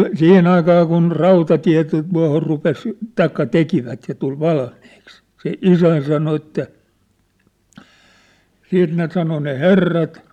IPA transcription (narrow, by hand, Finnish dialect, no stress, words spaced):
siːhen ɑikɑː kun rɑutɑtiæ̝ tu tuɑhor rupes tɑikːɑ tekiʋæt jɑ tul ʋɑlmiːks se isæn sɑno etːæ siːt ne sɑno ne herːɑt